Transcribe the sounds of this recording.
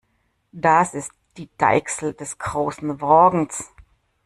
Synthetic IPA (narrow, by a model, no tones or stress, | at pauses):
d̥asɪstd̥iːd̥a̰ɪksl̩d̥ɛsɡ̥ʁoːsn̩vɔɐɡŋ̩s